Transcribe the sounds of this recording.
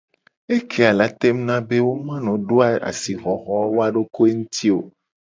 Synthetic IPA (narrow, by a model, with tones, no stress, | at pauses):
e˦kʰe˦a˨la˨˦t̪e˦m˦nã˦be˦wo˦mã˦nɔ̃˨ɖo˦a˨a̰˨si˨ɣɔ˨xɔ˦wo˦a˦ɖo˦ko˦e˦ŋũ˦t̪ʰi˦o˨